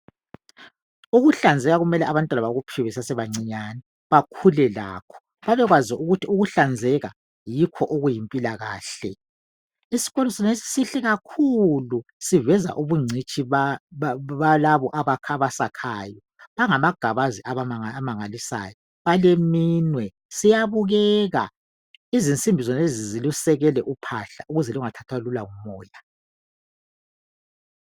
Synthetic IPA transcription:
uɣuɬand͡zʱɛɣaɣumɛlɛʔaβantʼwanaβaɣupʰiwɛsasɛβaŋ͡ǀiɲanɛ | βakʰulɛla̰ːkʰɔ̥ | βaβɛɣwaziuɣutiuɣuɬand͡zʱɛɣa | jikʰɔʔoɣujimpʼilaɣa̰ːɬɛ | isi̥ɣɔlɔsɔnesi̥siɬɛɣakʰulusivɛza̰ʔuβuŋ͡ǀʱit͡ʃʼi | βalaβɔʔaβakʰaβasakʰaːjɔ | βaŋamaɡ̥ʱaβaziʔaβamaŋalisa̰ːjɔ | βalemiːnwɛ | sijaβuɣɛɣa̰ | izint͡sʼimbʱizɔnezizilusɛɣɛlɛʔupʰa̰ɬa̰ʔuɣuzɛluŋatʰatʰwalulaŋumɔːja

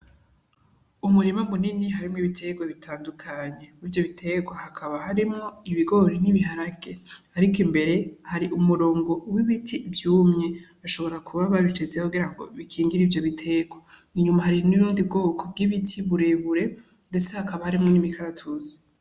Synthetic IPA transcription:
umuɾimamuniniɦaɾimŋiβitʰe̞ɡwaβitʰaːndukʰaɲe̞ivjo̞βitʰe̞ɡwahakʰaβahaɾimŋo̞iβiɡo̞ɾiniβiɦaɾaɡe̞ | aɾikimbe̞ɾe̞haɾiʔumuɾo̞ːŋɡo̞wiβitʰivjuːmɲe̞ | aʃo̞βo̞ɾakʰuβaβaβit͡ʃezekuɡiɾaŋɡo̰βikʰiːŋɡiɾivjo̞βitʰe̞ɡwaiɲumahaɾiniɾuːndib̚ɡoːkʰo̞b̚ɡiβitʰiβuɾe̞βuɾe̞ | nde̞t͡sehakaβahaɾimŋonimikʰaɾatʰuzi̥

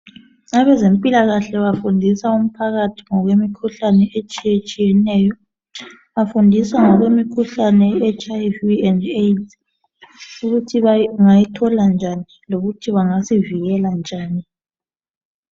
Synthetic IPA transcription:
aβɛzempʼilaɣaɬɛβafundʱisaum̩pʰaɣatʰi̥ŋɔɣwemikʰuɬanɛet͡ʃʼijet͡ʃʼijɛnɛːjɔ | βafundʱisaŋɔɣwemikʰuɬanɛɛt͡ʃʰʼajviɛndet | uɣutʰiβaŋajitʰɔland͡ʒʱani | loɣutʰiβaŋasiviɣɛland͡ʒʱaːni

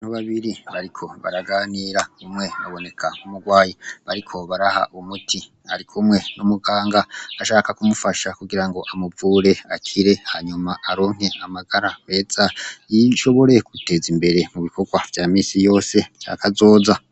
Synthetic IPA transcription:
noβaβiɾiβaɾikʰo̞βa̰ɾaɡaːniːɾaumŋe̞aβo̞ne̞kʰanumuɡwaːjiβaɾikʰo̞βaɾaha̰ʔumutʰi | a̰ɾikʰumwe̞numuɡaːŋɡaaʃaːkakumufaʃakuɡiɾaŋɡo̞ʔamuvuːɾe̞akʰiɾe̞haɲumaʔaɾo̞ːŋ̥he̞amaɡaɾaβe̞ːz̥ajiʃo̞βo̞ɾe̞kute̞zimbe̞ɾe̞muβikʰo̞ɡwavjaːmiːsijo̞ːse̞t͡ʃa̰kazo̞ːza

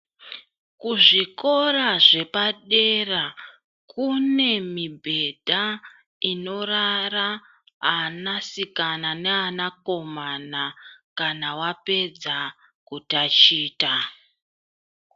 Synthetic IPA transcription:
kuʐiko̞raʐe̞paɗe̞ra | kʰune̞mibʱe̞dʱa | ino̞rara | anasikananeanako̞manakanawape̞d͡za | kutat͡ʃiːta

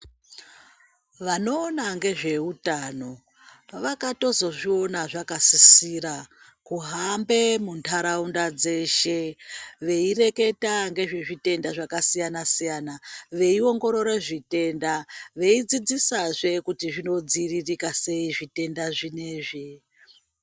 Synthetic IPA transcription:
ʋano̞ːnaŋɡe̞ʐe̞utano̞ | ʋakato̞zo̞ʐio̞naʐakasisiɾa | kuɦambe̞muntʰaɾaundad͡ze̞ʃe̞ʋe̞ire̞ke̞taŋɡe̞ʐe̞ʐite̞ndaʐakasijanasijanaʋe̞io̞ŋɡo̞ɾo̞ɾeʐite̞ndaʋe̞id͡zid͡zisaʐe̞kutiʐino̞d͡ziririkase̞iʐite̞ndaʐine̞ːʐe

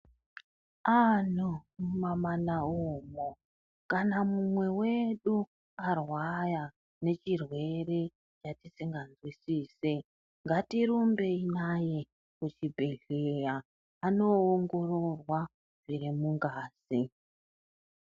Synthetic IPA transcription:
an̤omumamanaoːmo | kanamumwe̞we̞ɗu | arwaja | ne̞t͡ʃirwe̞ɾe̞ | t͡ʃatisiŋɡanzwisiːse | ŋɡatiɾumbe̞inaje̞ | kut͡ʃibʱe̞ɮejaː | no̞ːŋɡo̞ro̞rwa | ʐiɾimuŋɡaːzi

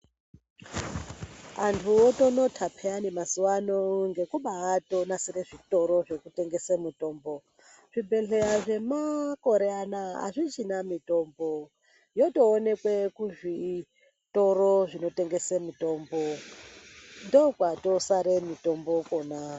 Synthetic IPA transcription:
antʰuotono̞tʰapʰeanemasuwanoŋɡe̞kuɓaːto̞nasiɾeʐito̞ɾo̞ʐe̞kute̞ŋɡe̞semuto̞ːmbo̞ | ʐ̥ibʱe̞ɬeaʐe̞mako̞ɾeanaa̰ʐit͡ʃinamito̞mbo | jo̞to̞ːne̞kwe̞kuʐi | to̞ɾoʐino̞te̞ŋɡe̞semuto̞ːmbo | ndokwatosaɾemito̞mbo̞kʼona

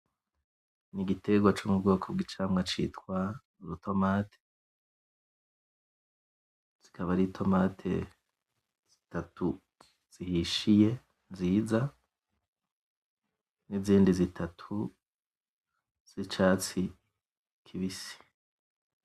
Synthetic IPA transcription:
niɡitʰe̞ɡwat͡ʃumubɡo̞ːkʰob̚ɡit͡ʃaːmŋat͡ʃḭːtwa | ɾutʰo̞maːtʰe̥ | z̥ikʰaβaɾitʰo̞matʰe̞̰ | z̥itatu | z̥ihiʃije̞ | nziːza | niziːndizitʰatʰu | z̥it͡ʃaːt͡si | kʰiβisi̥

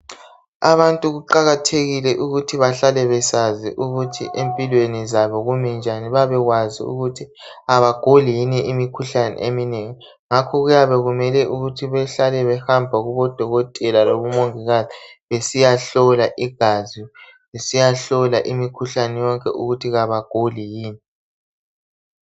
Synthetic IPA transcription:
a̰βantʼuɣuǃaɣatʰeɣilɛʔuɣutʰiβaɬalɛβɛsaziʔuɣutʰḭʔempʼilwenizaβɔɣumɛnd͡ʒʱaniβaβɛɣwazḭṵɣutʰi | aβaɡ̥ʱoliiniʔimikʰuɬanɛ̰ʔemineŋi | ŋakʰɔɣujaβɛɣumɛlɛʔuɣutʰiβɛɬalɛβɛhambʱaɣuβɔd̥ʱɔɣɔtʼɛlaloβumoŋiɣaziβesijaɬɔlaʔiɡ̥ʱazi | βesijaɬɔlaʔimikʰuɬanɛjɔŋkʼɛ̰ʔuɣutʰiɣaβaɡ̥ʱolijiːni

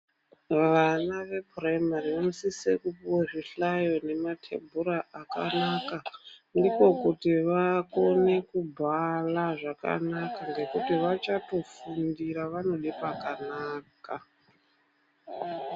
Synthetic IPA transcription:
ʋanaʋe̞praimariʋanosisekupuwaʐiɬajo̞ne̞matʰe̞̰bʱuɾaʔaka̰nakandiko̞kutiʋako̞ne̞kubʱalaʐaka̰nakaŋɡe̞kutiʋat͡ʃato̞fundiɾaʋano̞ɗipakanaːka

